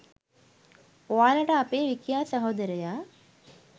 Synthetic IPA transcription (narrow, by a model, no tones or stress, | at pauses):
oʋaːləʈəapeːʋikijaːsaɦoːd̪əɾəjaː